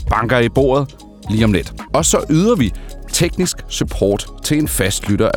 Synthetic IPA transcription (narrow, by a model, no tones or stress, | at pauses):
b̥ɑ̈ŋɡ̥ɐib̥o̝̰ːɐð̩ˠ | liːɒmled̥ɒ̽sɒ̽ʔyːð̞ˠɐʋit͡sʰeɡ̥nisɡ̥sypʰɒ̰ːd̥t͡sʰe̝le̝nfæsd̥lyɾɐʔæ